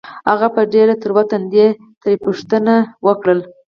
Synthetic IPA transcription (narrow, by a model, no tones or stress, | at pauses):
haɣapəɖeɾat̪əɾwat̪and̪e | t̪ɾepuʂt̪ənawəkɽəl